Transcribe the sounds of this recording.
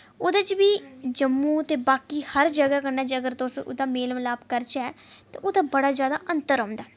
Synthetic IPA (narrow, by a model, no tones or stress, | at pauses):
oːd̪at͡ʃʋiːd͡ʒəmːũːt̪eːbaːkiːhəɾd͡ʒəɡaːkənɛːd͡ʒəɡəɾt̪osʊ̰d̪aːmeːlmlaːbkəɾt͡ʃɛːt̪ã̰ːʔoːd̪aːbəɽaːzjaːd̪a̰ːʔənt̪əɾɦãːnd̪aː